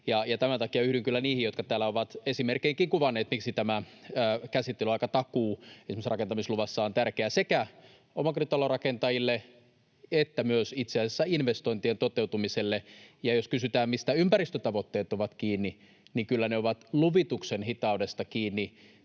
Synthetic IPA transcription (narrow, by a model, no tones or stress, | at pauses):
jɑjɑt̪æmænt̪ɑkijɑyhɾiŋkylːæniːhijot̪kɑt̪æːlːæoʋɑt̪esimerkeiːŋkiŋkuʋɑnːeːt̪miksit̪æmæː | kæsit̪ːelyɑikɑt̪ɑkuːesimsrɑkent̪ɑmisluʋɑsːɑont̪ærkeæsekæ | omɑkrit̪ɑlorɑkent̪ɑjilːe | et̪ːæmyøsit̪seæsesːæinʋest̪oint̪ient̪ot̪eut̪umiselːejɑjoskysyt̪æːmmist̪æympæɾist̪øt̪ɑʋot̪ːeːt̪oʋɑt̪kiːnːi | nikylːæneoʋɑt̪luʋit̪uksenhit̪ɑudest̪ɑkiːnːi